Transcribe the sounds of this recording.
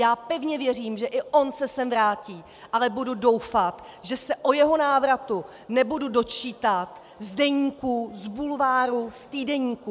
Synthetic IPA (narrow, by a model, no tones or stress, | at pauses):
jaːpɛvɲɛvjɛr̝iːmʒɛʔɪʔo̞nsɛsɛmvɾaːciː | ʔalɛbududo̞wfat̪ | ʒɛsɛʔojɛɦo̞naːvɾat̪u | nɛbududo̞t͡ʃiːt̪at̪ | zdɛɲiːkuzbulvaːɾust̪iːdɛɲiːku